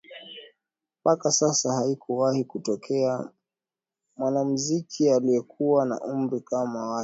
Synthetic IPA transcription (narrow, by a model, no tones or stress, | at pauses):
pakasasahaikuwahikutɔkʰɛa | mwanamuzikʰialiɛkʰuwana̰ʔum̩ɾikamawa